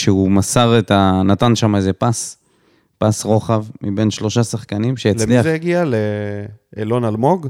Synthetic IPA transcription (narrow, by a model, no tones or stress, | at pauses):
ʃeumasaʁet̪anatanʃamaeze̞pas | pasʁo̞χavmibe̞nʃlo̞ʃasaχkanimʃejalt͡sliazejaɡiale | elo̞nalmo̞ɡ